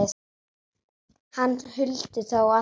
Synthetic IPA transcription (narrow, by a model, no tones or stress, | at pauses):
hanːhʏlt̪ɪθawa